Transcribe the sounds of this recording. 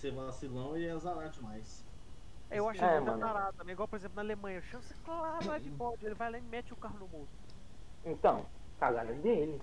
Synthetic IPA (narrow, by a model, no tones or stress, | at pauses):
selasilɐ̃w̃ɪɛzaɾad͡ʒɪmajs | ɛewaʃɛ̃t̪ɐ̃zaɾad̪ɐt̪ɐ̃mẽj̃iɡwawpoɾezẽp̬lʊnɐalemɐ̃jɲɐʃɐ̃sɛklaɾaɛvibɔd͡ʒelɪvajlaɪmɛt͡ʃɪʊkaɦʊnʊmud̪ʊ | ẽt̪ɐ̃w̃ | kaɡanɐ̃nd̪elɪ